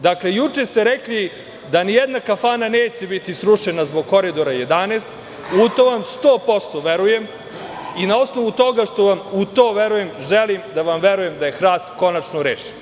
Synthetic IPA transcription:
d̪aklejut͡ʂest̪e̞ɾekli | d̪anijed̪nakafaːnaneːt͡ɕe̞bit̪isɾuʃenazboɡ̚ko̞ɾid̪o̞ɾaje̞d̪aneːst̪ | ut̪oʋamst̪o̞ːpo̞st̪o̞ʋeɾuje̞m | inao̞sno̞ʋut̪o̞ɡaʃt̪o̞ʋamut̪oːʋeɾuje̞mʒelimd̪aʋamʋeɾuje̞md̪aje̞xɾaːst̪ko̞nat͡ʃnoɾeːʃi̥n

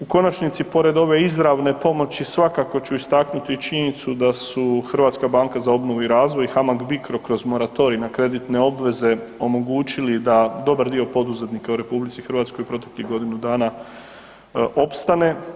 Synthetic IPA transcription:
uko̞nat͡ʃnit̪sipo̞ɾe̞d̪o̞ʋe̞izɾaʋne̞po̞mo̞t͡ɕisʋakako̞t͡ɕuist̪aknut̪it͡ʃiɲenit̪sud̪asuxr̩ʋaːt̪skabaŋkazao̞bno̞ʋuiɾaːzʋo̞jxamaɡbikɾo̞kɾo̞zmo̞ɾat̪o̞ɾinakɾe̞d̪it̪ne̞o̞bʋe̞ze̞o̞mo̞ɡuːt͡ɕilid̪ad̪o̞baɾd̪io̞po̞d̪uze̞t̪nikauɾe̞publit̪sixɾ̩ʋaːt̪sko̞jupɾo̞t̪e̞kliɦɡo̞d̪inud̪aːna | ʔo̞pst̪ane̞

